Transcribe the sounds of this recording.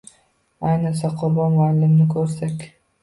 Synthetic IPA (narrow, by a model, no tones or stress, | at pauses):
ajnɪsaqʰʊɾbɒnmʊalːɪmnɪkʰɵɾsakʲ